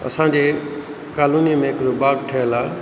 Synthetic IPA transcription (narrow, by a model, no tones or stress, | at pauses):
ɐ̰sãɲd͡ʑe | kaːluːnijmẽkɾobaːɡʈʰəla